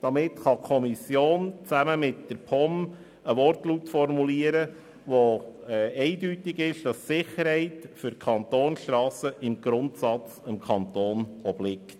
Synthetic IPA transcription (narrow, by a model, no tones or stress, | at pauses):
d̥ɑmɪtχɑkʰɔmisjoːnt͡sæməmɪtd̥əɾpʰɔm | əʋɔrtlutfɔrmuliəɾə | ʋoɛɛɪdytɪɡɪʃd̥ɑssɪχəɾhɛɪtfʏɾkʰɑntoːnʃtɾɑːsəʔɪmɡ̥ɾʊntsɑt͡səmkʰɑnt̪oːnɔblɪkt